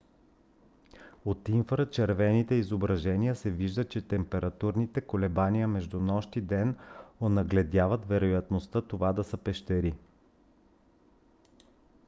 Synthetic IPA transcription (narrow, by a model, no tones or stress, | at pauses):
ot̪iɱfɾət͡ʃɛɾvɛnit̪ɛizobɾɐʒɛniəsɛviʒd̪ət͡ʃɛt̪ɛmpɛɾʔɐt̪uɾnit̪ɛkolɛbaniəmɛʒd̪unɔʃt̪id̪ɛnonɐɡlɛd̪ʲavət̪vɛɾojɐt̪nost̪ɤt̪ovad̪ɐsəpɛʃt̪ɛɾi